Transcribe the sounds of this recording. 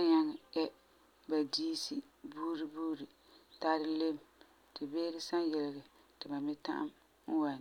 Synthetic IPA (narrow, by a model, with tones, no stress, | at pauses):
a˦ɲa˦ŋ˨ɛ˦ | ba˨diː˦si˦ | buː˦ɾi˨buː˦ɾi˨ | ta˦ɾɪ˦le˦m | tɨ˨beː˦ɾɪ˦sa˦njɛ˨lɪ˨ɡɪ˨tɨ˨ba˨mɪ˦ta̰˦ʔa̰˦m̩˦ | wa˨n˨